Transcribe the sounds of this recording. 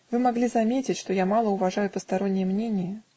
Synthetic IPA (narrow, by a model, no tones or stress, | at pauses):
vɨmaɡlʲizamʲet͡sʲit͡sʲʂt̪ɔjamalˠəuvaʐajupəst̪aɾɔnʲːɪjɛmnʲenʲijə